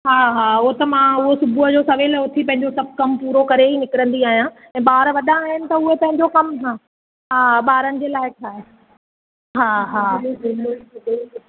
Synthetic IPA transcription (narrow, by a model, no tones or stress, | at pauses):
ɦaːɦaːʊɦot̪ɐmãʊɦosʊbʱuəd͡ʑoːsɐʋeːlʊt̪ʰipɐ̃ɦɪ̃ɲd͡ʑosɐb̚ʱkɐmpuːɾokɐɾeɦinɪkɪɾə̃nd̪iaːɦijã | ɛ̃ːɓaːɾʋɐɗãaːɦənɪ̆t̪ɐʊɦepɐ̃ɦɪ̃ɲd͡ʑokɐmsʰãː | ɦaːɓaːɾənɪ̆d͡ʑeːlaːɪkʰaːɦe | ɦaːɦaː